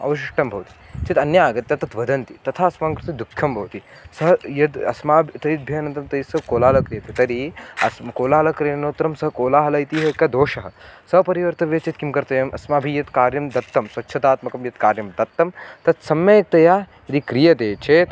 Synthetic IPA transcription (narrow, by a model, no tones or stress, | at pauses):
ɐ̰ʋɐʃiʂʈɐmbʱɐʋt̪i̥t͡ʃet̪ɐnjaaːɡɐt̪jɐt̪ɐt̪ʋɐd̪ɐnt̪it̪ɐt̪ʰaːɐsmaːŋkɾɪt̪ɐd̪ukʰjɐmbʱɐʋwt̪i | sɐɦjɐd̪ɐ̰smaːbʱt̪ɐit̪̚bʱɐɐnɐ̃nt̪ɐmt̪ɐisɐkoːlaːlɐkɾijɐt̪et̪ɐɾiɐ̰smɐkoːlaːɐlɐkɾenoːt̪ɾɐmsɐɦkoːlaːɦɐlɐit̪iɦɐkːɐd̪oːʃɐɦɐ̆sɐɦpɐɾiʋɐɾt̪ɐʋjɐt͡ʃit̪kimkɐɾt̪ɐjɐmʔɐsmaːbʱijɐt̪kaːɾjɐmd̪ɐt̪ːɐmsʋɐtːʃʰɐt̪aːt̪mɐkɐmjɐt̪kaːɾjɐmd̪ɐt̪ːɐmt̪ɐt̪sɐmjɐek̚t̪ɐjaː | ɐd̪ikɾijɐt̪eːt͡ʃʰeːt̪